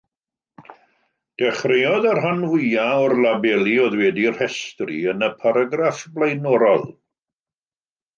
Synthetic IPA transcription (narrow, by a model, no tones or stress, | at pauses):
d̥ɛχrejɔðarɦanvʊjaɔrlˠabɛlˠiɔðwɛdir̥hɛstrḭənəpʰaɾaɡrafblˠajnɔɾɔlˠ